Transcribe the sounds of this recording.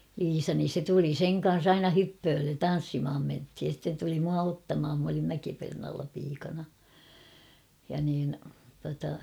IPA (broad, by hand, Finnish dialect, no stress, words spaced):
liːsɑ nin̞ se tuli seŋ kɑn̞s ɑinɑ hypːøːlːen tɑn̞sːimh̆ɑm menthij jɑ sĭtːen tuli muɑ otːɑmhɑm m olim mækipernɑːlːɑ piːkɑnɑ jɑ niːn tuɑtɑ